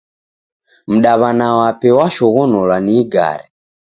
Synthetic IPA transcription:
m̩ɗaβanawapɛwaʃɔɣɔnɔlwaniːɡa̰ɾɛ

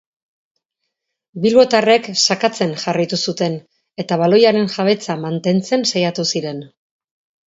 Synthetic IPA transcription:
bilβo̞t̪are̞ksakat͡se̞nʝarajt̪usut̪e̞n | e̞t̪aβalo̞jaɾe̞nʝaβ̞e̞t͡samant̪e̞nt͡se̞nsajat̪usiɾe̞n

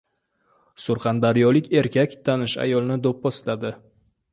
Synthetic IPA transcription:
sʊɾχɑnd̪aɾijɒlɪkʲe̞ɾkʲakʲt̪ʰanɪʃa̰jɒlˠnɪd̪op̚bɒslad̪ɪ

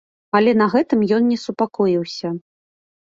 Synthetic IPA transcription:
ɐlʲɛnɐɣɛt̪ɨmjɔnnʲɛsupakɔjiwsʲɐ

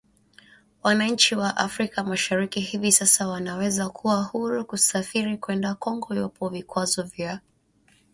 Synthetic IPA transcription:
wanaɲ̩t͡ʃiwaʔafɾikamaʃaɾikihivisasawanawɛzakʰuwahuɾukusafiɾikwɛndakɔŋɡɔjɔpʰɔvikwazɔvja

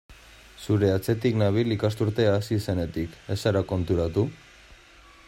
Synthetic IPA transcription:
suɾe̞at͡se̞t̪iknaβ̞ilikast̪uɾt̪e̞aːsise̞ne̞t̪ike̞saɾako̞nt̪uɾat̪u

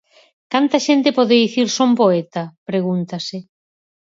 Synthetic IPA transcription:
kant̪ɐʃent̪ɪpoðeðiθiɾsompoet̪ɐpɾeɣunt̪ɐsɪ

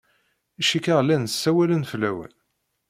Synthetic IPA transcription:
iʃikəʁlːænsːæwælənflːæwæ̰l

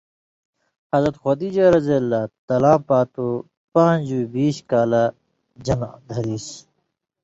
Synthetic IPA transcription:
hɐzɾɐt̪xoːd̪iːd͡ʑɐɾɐzelːaːt̪ɐlãːpaːt̪u | pãːnd͡ʑuibiːɕkaːla | d͡ʑɐnã̰d̪ʱɐɾiːs

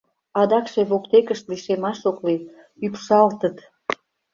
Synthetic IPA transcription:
ɑd̪ɑkʃeβokt̪ekəʃt̪liʃemɑʃokli | ypʃɑlt̪ət̪

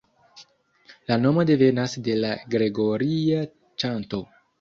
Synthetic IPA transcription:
lano̞mo̞de̞ve̞nasde̞laɡɾe̞ɡo̞ɾia | t͡ʃanto̞

